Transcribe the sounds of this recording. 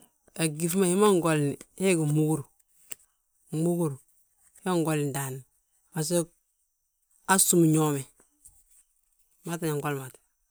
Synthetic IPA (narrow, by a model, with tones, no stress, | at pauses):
e˨ɡi˨fma˨hi˦ma˦ŋɡo˨lni˨he˦ɡi˨mu˦ɡu˦ɾ | mu˦ɡu˦ɾ | ha˦ŋɡo˨lda˨n | a˨s̬e˦ | a˦su˦m˨ɲo˦me˨ | ma˦ta˨ɲa˨ŋɡo˦lma˨t